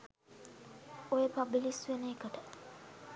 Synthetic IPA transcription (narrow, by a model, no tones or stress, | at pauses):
ojepabilisʋeneːkəʈə